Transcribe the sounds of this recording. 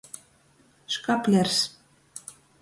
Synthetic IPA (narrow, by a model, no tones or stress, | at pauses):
ʃkɑplʲers